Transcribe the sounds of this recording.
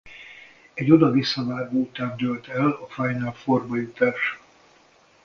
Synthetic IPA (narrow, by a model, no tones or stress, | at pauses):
ɛɟo̞d̪ɒvisːɒvaːɡoːut̪aːnd̪ølt̪ɛlɒfajnalforbɒjut̪aːʃ